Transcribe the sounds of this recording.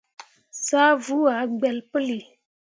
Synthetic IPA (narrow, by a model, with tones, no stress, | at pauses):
saː˦vu˦a˨˦ɡ͡bɛ˨lpə˦li˨